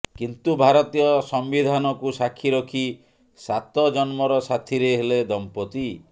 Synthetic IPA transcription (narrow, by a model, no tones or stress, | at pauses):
kint̪ubʱaɾɔt̪ijɔsɔmbid̪ʱanɔkusakʰːiɾɔkʰi | sat̪ɔd͡ʒɔnmɔɾɔsat̪ʰiɾeɦeled̪ɔmpɔt̪i